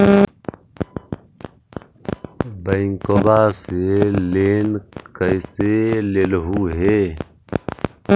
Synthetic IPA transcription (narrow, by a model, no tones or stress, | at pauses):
bəɪŋkobaːseleːnkəiselelɦuːɦeː